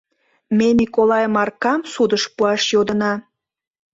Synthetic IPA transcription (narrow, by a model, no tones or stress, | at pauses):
menʲikolɑjəmɑrkɑmsud̪əʃpuɑʃjod̪ənɑ